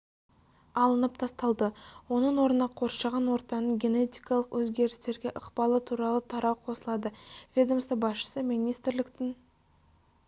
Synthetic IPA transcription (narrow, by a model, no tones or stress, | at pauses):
ɑlˠənəp̚t̪ʰɑst̪ɑlˠd̪əwo̞nəɴwo̞ɾənɑqʰo̞ɾʃɑʁɑnwo̞ɾt̪ɑnəɴɡʲe̞ne̞t̪ijkɑlˠəqwʔɵzɡʲe̞ɾɪst̪e̞ɾɡʲe̞ʔəqpɑlˠət̪ʰuɾɑlˠət̪ʰɑɾɑwqʰo̞səlˠɑd̪əvʲed̪o̞mst̪əbɑsʃə̥səmijnijst̪ɾlɪkt̪ɪn